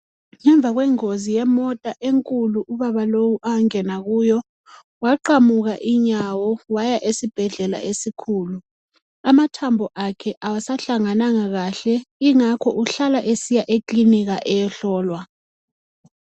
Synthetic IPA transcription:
ŋɛɱb̪vʱaɣwɛŋozijɛmɔtʼaʔeŋkʼuluʔuβaβalowuʔaŋɛnaɣujɔ | waǃamuɣaʔiɲawɔwajaʔesib̥ʱɛɮɛla̰esikʰuːlu | amatʰambʱɔʔakʰɛʔawasaɬaŋanaŋaɣaɬɛiŋakʰɔʔuɬalaʔesijaʔekʼliniɣ̬aʔɛjɛɬɔːlwa

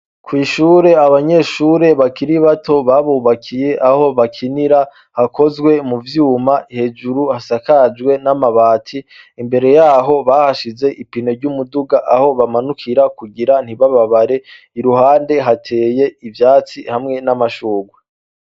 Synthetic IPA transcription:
kwiːʃuːɾe̞aβaɲe̞ʃuːɾe̞βakiɾiβatʰo̞βaβuːβakʰije̞ʔaho̞βakʰiniɾa | hakʰo̞zɡwe̞muvjuːmaihe̞d͡ʒuɾuhasakad͡ʒɡwe̞namaβaːtʰi | imbe̞ɾe̞jaːɦo̞βahaʃize̞ʔipino̞ɾɟumuduɡaʔaho̞βamanukʰiɾakuɡiɾan̥iβaβaβaɾe̞ | iɾuhaːnde̞ɦatʰe̞ːje̞ivjaːt͡sihamŋe̞namaʃuːɡwe

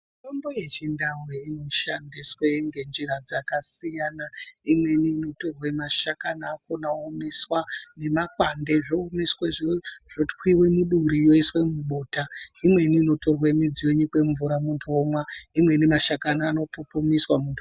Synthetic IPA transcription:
itomboje̞t͡ʃindaweino̞ʃandisweŋɡe̞nd͡ʒirad͡zakasijaːnaimwe̞niːno̞to̞rwe̞maʃakanaːkonaomiswane̞makwande̞ʐomisweʐoʐ̥otkwiwe̞muɗuɾijoiswe̞muɓoːtaimwe̞niːno̞to̞rwemid͡zijoɲikwe̞ɱvuɾamuntʰomwaimwe̞nimaʃakanaːno̞popomiswamuntʰu

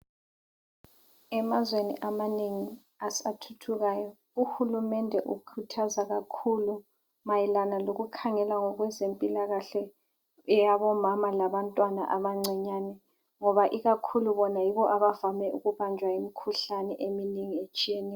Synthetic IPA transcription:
ɛmazwenḭʔamaneŋi | asatʰutʰuɣaːjɔ | uxulumɛndʱɛʔṵkʰutʰazaɣakʰulu | majilanaloɣukʰaŋɛlaŋɔɣwɛzempʼilaɣaɬɛ | jaβɔmamalaβantʼwana̰ʔaβaŋ͡ǀɛɲaːnɛ | ŋɔβaʔiɣakʰuluβɔnajiβɔʔaβavamɛuɣuβand͡ʒʱwaimikʰuɬanɛʔeminiŋiet͡ʃʼijɛnɛː

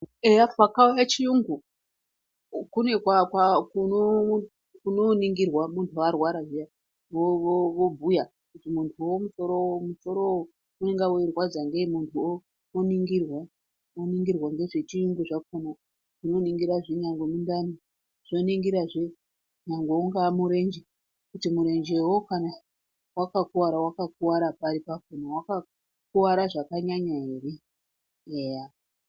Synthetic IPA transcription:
eawakaujat͡ʃijuŋɡu | kune̞kwakwakuno | kunoniŋɡirwamuntʰuarwaɾaʐija | ʋooʋobʱuja | kutimuntʰuwomusoɾomuso̞ɾowo | uneŋɡawuirwad͡zaŋɡemuntʰuo | oniŋɡirwa | oniŋɡirwaŋɡe̞ʐe̞t͡ʃijuŋɡuʐakono | ʐ̥ino̞niŋɡiɾaʐiɲaŋɡomindani | ʐ̥ino̞niŋɡiɾaʐe | ɲaŋɡouŋɡamuɾe̞nd͡ʒe | kutimuɾe̞nd͡ʒewokana | wakakuwaɾawakak̚uwaɾapaɾipakonawaka | kuwaɾaʐakaɲaɲaeːri | eja

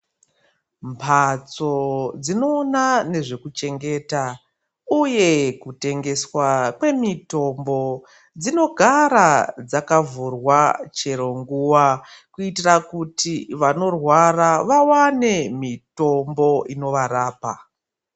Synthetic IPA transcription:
mpʰat͡so̞d͡zino̞ːnane̞ʐe̞kut͡ʃe̞ŋɡe̞ta | uje̞kute̞ŋɡe̞swakwe̞mito̞mbo̞ | d͡zino̞ɡʱaɾad͡zakavurwat͡ʃe̞ɾo̞ŋɡuwakuitirakutʰiʋano̞rwaraʋawane̞mito̞mbo̞ʔino̞ʋaɾaːpa

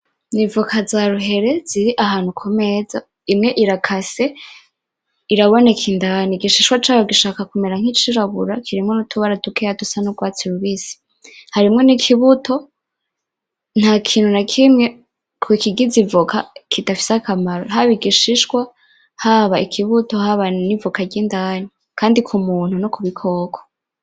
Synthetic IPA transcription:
nivukʰazaɾuɦe̞ɾe̞ziɾiʔaɦaːn̥hukʰo̞me̞za̰ | imŋe̞ʔiɾakʰase̞ | iɾaβo̞nekʰindaniɡiʃiʃkwat͡ʃaːjoɡiʃaːkakumeɾaŋ̥it͡ʃiɾaβuɾakʰiɾimŋonutʰuβaɾatukejatusanuɡwaːt͡siɾuβiːsi̥ | haɾimŋe̞nikʰiβutʰo̞ | n̥hakʰiːnhunakʰimŋe̞ | kʰukiɡizivukʰakʰidafi̥sakamaɾo̰ɦaβiɡiʃiʃwa | haβaikʰiβuto̞haβanivukaɾɟiːndaːni | kʰaːndikʰumuːn̥hunokuβikʰo̞ːkʰo̥

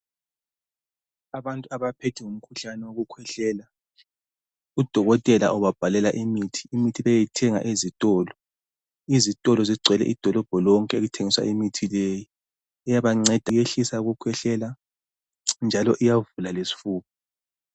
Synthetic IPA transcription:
aβantʼuaβapʰetʰiŋum̩kʰuɬanɛwoɣukʰwɛɬɛːla | ud̥ʱɔɣɔtʼɛla̰ʔɔβab̥ʱalɛlaʔimitʰi̥ːmitʰiβɛjɛtʰɛŋa̰ʔezitʼɔːlɔ | izitʼɔlɔziɡ͡ǀʱɛlɛ̰ʔid̥ʱɔlɔb̥ʱɔlɔŋkʼɛeɣutʰeŋiswa̰ʔimitʰileji | ɛjaβaŋ͡ǀɛd̥ʱajeɬisauɣukʰwɛɬɛla | nd͡ʒʱalɔʔijavulalesi̥fuːkɔ

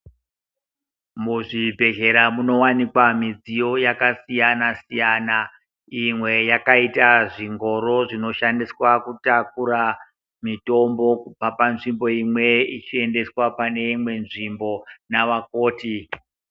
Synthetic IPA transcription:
muʐibʱe̞ɮe̞ɾamuno̞wanikwamid͡zijo̞jakasijanasijaːna | imwe̞jakaitaʐiŋɡo̞ɾo̞ʐino̞ʃandiswakutak̚uɾa | mito̞mbo̞upapanʐimbo̞imwe̞it͡ʃie̞nde̞swapane̞imwe̞nʐimbo̞naʋako̞ːti

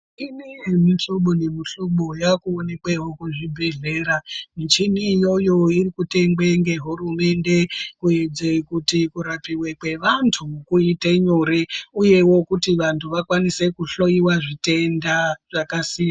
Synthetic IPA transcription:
inejemiɬoɓone̞miɬoɓojakuone̞kweɦokuʐibʱe̞ɮe̞ɾamit͡ʃiniːjo̞jo̞irikute̞ŋɡwe̞ŋɡe̞ɦurume̞nde̞kuje̞d͡ze̞kutikuɾapiwe̞kwe̞ʋantʰukuiteɲo̞ɾe̞uje̞wo̞kutiʋantʰuʋakwanise̞kuɬo̞jiwaʐite̞ndaʐ̥akasiːja

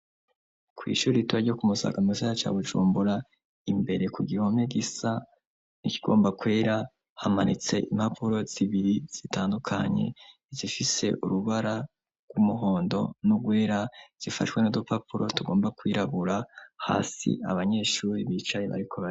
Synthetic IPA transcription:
kwḭːʃuːɾituβaɾɟiokumusa̰ːɡamisaɾat͡ʃa̰ːβud͡ʒṵːmbuɾa | imbe̞ɾe̞kuɡihomheɡisa | niciɡ̥o̞ːmbakwe̞ːɾa | hama̰nit͡se̞ʔim̥hapʰuɾo̞z̥iβiɾiz̥itaːndukʰa̰ɲe̞̰ | zifise̞̰ʔuɾuβaɾa | ɡ̥wumuɦo̞ːndo̞̰nuɡwe̞ːɾaz̥ifa̰twe̞nudopapuɾo̞tuɡo̞ːmbakwiːɾaβuɾaha̰ːsḭa̰βaɲe̞ʃuːɾiβiːt͡ʃajeβa̰ɾikʰo̞βai

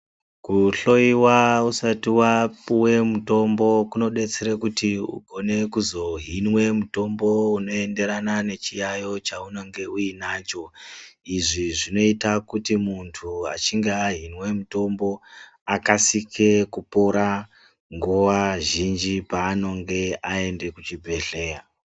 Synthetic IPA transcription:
kuɬo̞iwausatiwapuwe̞muto̞mbo̞kuno̞ɗe̞t͡seɾekutiṵɡʱone̞kuzo̞ɦinwe̞muto̞mbouno̞e̞nde̞ɾanane̞t͡ʃijajo̞t͡ʃauno̞ŋɡe̞uinaːt͡ʃo̞iʐiʐino̞itakutimuntʰua̰t͡ʃiŋɡeaɦinwe̞muto̞mbo̞ | akasikʰe̞kupo̞ɾa | ŋɡuʋaʒind͡ʒipaːno̞ŋɡe̞ae̞nde̞kut͡ʃibʱe̞ɮe̞ːra

